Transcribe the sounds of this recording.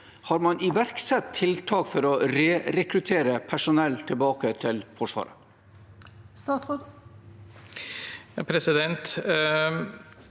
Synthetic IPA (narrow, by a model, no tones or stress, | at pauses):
hɑːɾmɑnɪʋæɾksɛt̪ʰːɪlt̪ʰɑːkfɔɾɔɾeːɾɛkɾʉt̪ʰeːɾəpʰæʂʊnɛlt̪ʰɪlbɑːkət̪ʰɪlfɔʂʋɑ̰ːɾə̰ | st̪ɑːt̪sʁoːd̪ | jɑpʰɾɛsɪd̪ɛnt̪